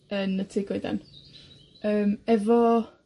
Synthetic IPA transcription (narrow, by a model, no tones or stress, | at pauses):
ənətʰiːɡwojda̰n | əːmɛvɔ